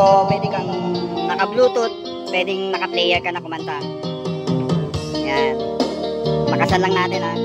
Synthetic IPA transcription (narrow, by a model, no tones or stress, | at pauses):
opwɛːd̪ɪkɐŋnɐkɐbluːt̪ot̪̚ | pːwɛːd̪ɪŋnɐkɐplɛjɛɾkɐnɐkʊmɐnt̪a | ɐjjan | mɐkɐsalɐŋnaːt̪ɪna